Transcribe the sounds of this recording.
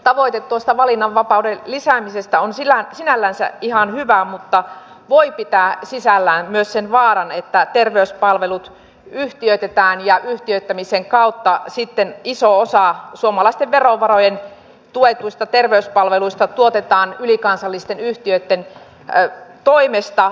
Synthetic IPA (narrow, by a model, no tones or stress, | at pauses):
t̪ɑʋoit̪et̪tːuost̪ɑʋɑlinːɑʋʋɑpɑudelisæmisest̪æonsilænsinælːænsæ̰ihɑnhyʋæmut̪ːɑ | ʋoipit̪æˑsisælːæːnmyøssenʋɑːɾɑnet̪ːæt̪erʋeyspɑlʋelut̪ | yht̪iøyt̪et̪æːnjɑʔyht̪iøyt̪ːæmiseŋkɑut̪ːɑsit̪ːenisoosɑsuomɑlɑist̪eʋʋeroʋɑrojen | t̪uet̪uist̪ɑt̪erʋeyspɑlʋeluist̪ɑt̪uot̪et̪ɑːnylikɑnsɑlːist̪enyht̪iøt̪ːen | t̪oimest̪ɑ